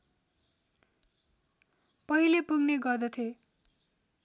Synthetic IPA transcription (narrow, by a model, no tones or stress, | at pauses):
pʌɦilepuɡneɡʌrd̪ʌt̪ʰje